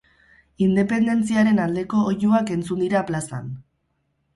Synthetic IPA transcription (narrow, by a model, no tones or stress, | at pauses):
ind̪e̞pe̞nd̪e̞nt͡siaɾe̞nald̪e̞ko̞ːjuake̞nt͡sund̪iɾaplasa̰n